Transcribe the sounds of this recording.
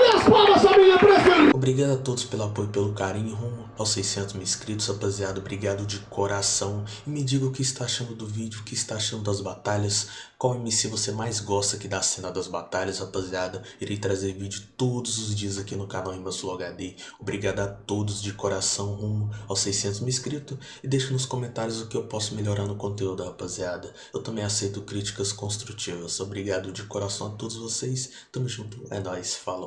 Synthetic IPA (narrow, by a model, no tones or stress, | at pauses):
pesamɐsɔmĩɲɐpɾazeobɾiɡad̪at̪od̪ʊspelʊapojʊpelʊkaɾĩɲʊɦũmʊawsejsẽt̪ʊzmiɪskɾit̪ʊzapɐziad̪ɐobɾiɡad̪ʊd͡ʒɪkʰoɾasɐ̃w̃ɪmɪd͡ʒiɡɐʊkɪɪst̪aːʃɐ̃nd̪ʊd̪ʊvid͡ʒʊkɪɪst̪aaʃɐ̃nd̪ʊd̪ɐzbat̪aʎɐskãw̃ɛmisɪvosemajzɡɔst̪ɐkɪd̪asẽnɐd̪ɐzbat̪aʎɐzapɐziad̪ɐiɾejt̪ɾazeɾvid͡ʒʊt̪od̪ʊzʊzd͡ʒiɐzakinʊkanawɪ̃mewsʊloɡaɾd̪ejobɾiɡad̪ʊat̪od̪ʊzd͡ʒɪkoɾasɐ̃w̃hũmʊawsejsẽnt̪ʊzmɪːskɾit̪ʊ | ɪd̪ejʃɐnʊskõmẽnt̪aɾjʊzʊkɪewpɔsʊmeʎoɾaɾnʊkõnt̪eud̪ʊd̪ɐhapaziad̪ɐ | ewt̪ɐ̃mbẽj̃asejt̪ʊkɾit͡ʃi̥kɐskõst̪ɾut͡ʃivɐsobɾiɡad̪ʊd͡ʒɪkoɾasɐ̃w̃ɐt̪od̪ʊzvosejs | t̪ɐ̃mʊzʒũt̪ʊa̰nɔjsfalɐ̃